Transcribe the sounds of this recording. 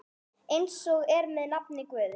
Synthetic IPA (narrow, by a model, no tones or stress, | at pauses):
ejnsɔɣɛɾmɛðnapnɪkvɛːðɪ